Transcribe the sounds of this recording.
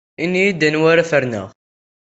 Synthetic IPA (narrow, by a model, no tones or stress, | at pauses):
inːijid̪ːənwaɾafəɾnə̰ʁ